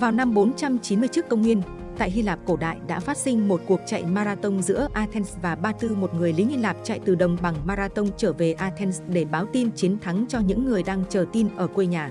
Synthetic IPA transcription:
vaː˨˩wna˧mɓo˨˦nt͡ɕa˧mt͡ɕi˨˦nmɨ˧əjt͡ɕɨ˦˥kːə˧wŋ͡mŋwi˧ən | t̪a̰ː˧˨jɦi˧laː˨˩p̚ko˧˩ɗa̰ː˧˨jɗa̰ː˧˥faː˦˥t̚sï˧ŋ̟mo˨˩t̚ku˨˩ək̚t͡ɕa̰˧˨jmaː˧ɾaː˧t̪ə˧wŋ͡mzɨ̰˧˥əʔaː˧t̪ʰɛ˧nsvaː˨˩ɓaː˧t̪ɨ˧mo˨˩t̚ŋɨ˨˩əjli˨˦hi˧laː˨˩p̚t͡ɕa̰˧˨jt̪ɨ˨˩ɗə˨˩wŋ͡mɓa˨˩ŋmaː˧ɾaː˧t̪ə˧wŋ͡mt͡ɕəː˧˩ve˨˩ʔaː˧t̪ʰɛ˧nsɗe˧˩ɓaː˨˦wt̪i˧nt͡ɕi˨˦ənt̪ʰa˨˦ŋt͡ɕɔ˧ɲɨ̰˧˥ŋːɨ˨˩əjɗaː˧ŋt͡ɕəː˧˩t̪i˧nʔəː˧˩kwe˧ɲaː˨˩

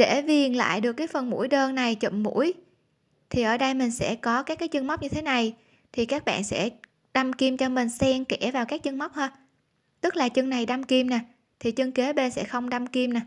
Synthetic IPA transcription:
ɗe˧˩vi˨˩ənla̰ː˧˨jɗɨ˨˩əkːaː˨˦jfə˨˩nmṵ˧˥əjɗəː˧nna˨˩jt͡ɕə̰˧˨mmṵ˧˥əj | t̪ʰi˨˩ʔəː˧˩ɗə˧jmï˨˩ŋ̟sɛ̰˧˥kɔ˨˦kaː˦˥kːaː˨˦jt͡ɕɨ˧ŋma˦˥k͡p̚ɲɨ˧t̪ʰe˨˦na˨˩j | t̪ʰi˨˩kaː˦˥k̚ɓa̰ː˧˨nsɛ̰˧˥ | ɗa˧mki˧mt͡ɕɔ˧mï˨˩ŋ̟sɛ˧mkɛ˧˩vaː˨˩wkaː˦˥k̚t͡ɕə˧ŋma˦˥wk͡p̚həː˧ | t̪ɨ˦˥k̚laː˨˩t͡ɕɨ˧ŋna˨˩jɗa˧mki˧mnaː˨˩ | t̪ʰi˨˩t͡ɕə˧ŋke˨˦ɓe˧nsɛ̰˧˥xə˧wŋ͡mɗa˧mki˧mna˨˩

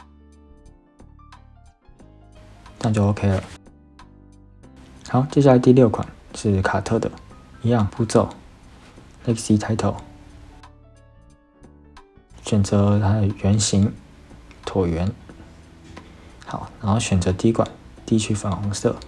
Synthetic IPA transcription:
na˥˧t͡ɕjo˥˩o˧˥ʊkʰe˥ɪlə̰˩ | xa˨˧˦ʊt͡ɕjɕ̬ja˥˧ə˧t̪i˥˧ljo˥˩ʊkʰa̰˨˩˦nʂɻ̩˥˩kʰa˨˩t̪ʰɤ˥˩d̪ə̰˩i˧˥jɑ˥˨ŋpu˥˧t͡so˥˩ʊ | lɛ˥ksi˥t̪ʰa˧˥ɪt̪ʰo˧˦ʊ | ɕɥɛ˨˩nt͡sɤ˧˦t̪ʰa˥də˨ɥɛ˧˥nɕi˧˥ŋ | t̪ʰwɔ˨˩ɥɛ˧˥n | xɑ˧˦ʊna˧˥nxo˥˩ʊɕɥɛ˨˩nt͡sɤ˧˥t̪i˧˥kʰwa̰˨˩˦nt̪i˥˧˨t͡ɕʰy˧˥fɑ˧˥ŋxɔ˧˥ŋsɤ̰˥˩

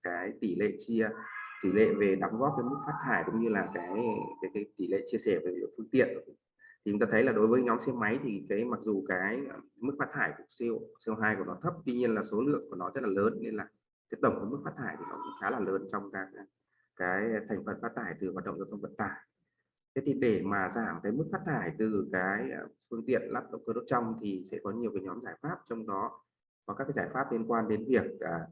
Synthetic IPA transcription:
kaː˨˦jt̪i˧˩lḛ˧˨t͡ɕi˧ət̪i˧˩lḛ˧˨ve˨˩ɗa˨˦ŋ͡mɣɔ˦˥p̚kaː˨˦jmɨ˦˥k̚faː˦˥t̚t̪ʰaː˧˩jkʊ̰˧˥ŋ͡mɲɨ˧laː˨˩kaː˨˦jkaː˨˦jkaː˨˦jt̪i˧˩lḛ˧˨t͡ɕi˧əsɛ˧˩ve˨˩lḭ˧˥˨fɨ˧əŋt̪ḭ˧˨ənʔ | t̪ʰi˨t͡ɕʊ˦ŋ͡mt̪aː˧ə˨˦jlaː˨˩ɗo˨˦jvəː˨˦jɲɔ˨˦ŋ͡msɛ˧ma˨˦jt̪ʰi˨˩kaː˨˦jma˨˩k̚zu˨˩kaː˨˦jmɨ˦˥k̚faː˦˥t̚t̪ʰaː˧˩jku˨˧˩əsi˧əwsi˧wɦaː˧jku˧˩ənɔ˨˦t̪ʰə˦˥p̚t̪wi˧ɲi˧ənlaː˨˩so˨˦lɨ̰˧˨əŋku˧˩ənɔ˨˦zə˦˥t̚laː˨˩ləː˨˦nːe˧nlaː˨˩ | t̪ʰi̥˨˦˥k̚t̪ə˧˩ŋ͡mku˧˩˦mɨ˦˥k̚faː˦˥t̪ʰaː˧˩jt̪i˨˩nɔ̰˨˦kʊ̰˧˥ŋ͡mxaː˨˦laː˨˩ləː˨˦nt͡ɕɔ˧wŋ͡mkaː˨˦˥k̚ː | kaː˨˦jt̪ʰɛ˨˩jŋ̟fə˨˩nfaː˦˥t̪ʰaː˧˩jt̪ɨ˨˩hwaː˨˩t̚ɗə̰˧˨ŋ͡mzːt̪ʰə˧ŋ͡mvə˧˨˩t̚t̪aː˧˩j | a˨˦t̪i˨˩ɗe˧˩maː˨˩zaː˧˩mkaː˨˦jmɨ˦˥k̚faː˦˥t̚t̪ʰaː˧˩jt̪ɨ˨˩kaː˨˦jfɨ˧əŋt̪ḭ˧˨ənlʔaː˦˥p̚ɗə̰˧˨wŋ͡mkəː˧o˦˥t̚t͡ɕɔ˧wŋ͡mt̪ʰi˨˩sɛ̰˧˥kɔ˨˦ɲi˨˩əwkaː˨˦ɲɔ˨˦mzaː˧˩jfaː˦˥p̚t͡ɕɔ˧wŋ͡mɗɔ˨˦ | kɔ˨˦kaː˦˥kːaː˨˦jzaː˧˩jfaː˦˥p̚li˧ənkwaː˧nɗe˨˦nvi˨˩ək̚ʔəː˨˩

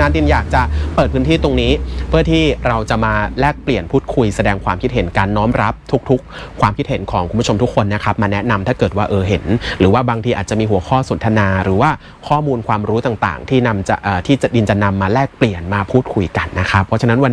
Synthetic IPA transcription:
naː˨˥ndi˧njaː˨˩k̚t͡ɕa˨˩pɤː˨˩t̪̚pʰɯː˦˥nt̪ʰiː˥˩t̪o˧ŋniː˦˥pʰɯ˥˩ət̪ʰiː˥˩ɾa˧wt͡ɕa˨˩maː˧lɛː˥˩k̚pli˨˩ənpʰuː˥˩t̪̚kʰu˧jsa˧dɛː˧ŋkʰwaː˧mkʰi˦˥t̪̚he˨˩˦nkaː˧nːɔː˦˥mɾa˦˥p̚t̪ʰu˦˥k̚t̪ʰu˦˥k̚ʰːwaː˧mkʰi˦t̪̚he˩˦nkʰɔː˩˦ŋkʰu˧mbt͡ɕʰo˧mt̪ʰu˦˥kʰːo˧nːa˦˥kʰa˦˥p̚maː˧nɛ˦˥na˧mt̪ʰaː˥˩kɤː˨˩t̪̚waː˥˩ʔɤː˧ɦe˩˦nɾɯː˩˦waː˥˩baː˧ŋt̪ʰiː˧ʔaː˨˩t̪̚t͡ɕa˨˩miː˧ɦu˩˦ɐkʰɔː˥˩so˩˦nt̪ʰa˧naː˧ɾɯː˩˦waː˥˩ | kʰɔː˥˩muː˧nkʰwaː˧mɾuː˦˥t̪aː˨˩ŋt̪a̰ː˨˩ŋt̪ʰiː˥˩na˧mt͡ɕa̰˨˩ʔːt̪ʰiː˥˩t͡ɕa˨˩di˧nt͡ɕa˨˩na˧mːaː˧lɛː˥˩k̚pli˨˩ənmaː˧pʰuː˥˩t̪̚kʰu˧jka˧nːa˦˥kʰa˦˥pʰːɔ˦˥t͡ɕʰa˧na˦˥nwa˧n

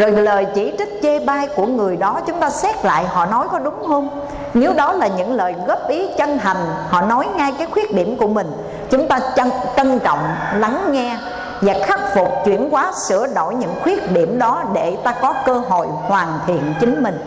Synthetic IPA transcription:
zo˨˩jləː˨˩jt͡ɕi˧˩t͡ɕï˦˥t̚t͡ɕe˧ɓaː˧jku˧˩əŋɨ˨˩əjɗɔ˨˦t͡ɕʊ˨˦ŋ͡mt̪aː˧sɛ˦˥k̚la̰ː˧˨jhɔ̰˧˨nɔ˨˦jkɔ˨˦ɗʊ˨˦ŋ͡mho˧m | ne˨˦wɗɔ˨˦laː˨˩ɲɨ̰˧˥ŋləː˨˩jɣə˦˥p̚ʔi˨˦t͡ɕə˧nt̪a˨˩jŋ̟hɔ̰˧˨nɔ˨˦jŋa˧jkaː˨˦jxwi˦˥ək̚ɗi˧˩əmku˧˩əmï˨˩ŋ̟ | t͡ɕʊ˨˦ŋ͡mt̪aː˧t͡ɕə˧t͡ɕ̪ə˧nt͡ɕɔ̰˧˨wŋ͡mla˨˦ŋŋɛ˧ | vaː˨˩xa˦˥k̚fʊ˨˩k͡p̚t͡ɕwḭ˧˩ənkwaː˨˦sɨ̰˧˩əɗo̰˧˩jɲɨ̰˧˥ŋxwi˦˥ək̚ɗi˧˩əmɗɔ˨˦ɗe˧˩t̪aː˧kɔ˨˦kəː˧ɦo̰˧˨jhwaː˨˩nt̪ʰḭ˧˨ənt͡ɕï˨˦ŋ̟mï˨˩ŋ̟

